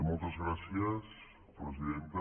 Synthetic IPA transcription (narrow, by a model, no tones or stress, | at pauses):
mult̪azɣɾasjas | pɾes̬iðent̪a